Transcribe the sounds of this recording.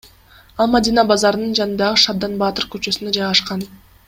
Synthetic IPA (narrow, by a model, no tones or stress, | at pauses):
ɑlˠmad̪ʲinɑbɑzɑɾɯnɯnd͡ʒɑnɯnd̪ɑʁɯʃɑb̚d̪ɑnbɑt̪ɯɾkøt͡ʃø̞synød͡ʒɑjʁɑʃqɑn